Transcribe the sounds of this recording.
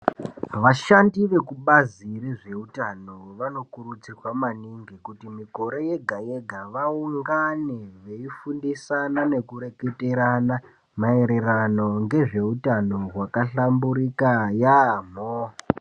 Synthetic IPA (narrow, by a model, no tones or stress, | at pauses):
ʋaʃandiʋe̞kuɓazire̞ʐe̞utano̞ʋano̞kurut͡sirwamaniŋɡikutimiko̞ɾe̞jeɡʱaje̞ɡʱaʋauŋɡane̞ʋeifundisanane̞kuɾe̞kete̞ɾana | mae̞ɾe̞rano̞ŋɡe̞ʐe̞utano̞ɦwakaɬambuɾikajam̤o